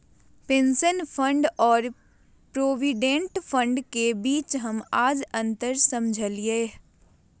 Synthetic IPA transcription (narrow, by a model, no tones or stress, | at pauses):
pẽːnsənpʰə̃ɳɖɔːɾ | pɾoːʋiɖẽɳʈfʰə̃ɳɖkebiːt͡ʃɦɐmaːd͡ʒɐ̃nt̪əɾsɐ̃md͡ʒʱəlieː